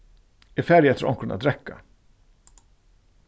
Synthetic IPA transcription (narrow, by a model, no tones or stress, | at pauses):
ɪfæɾjɛt̪ʰːəɾʔɔ̰mkʰɾənat̪ɾɛkːa̰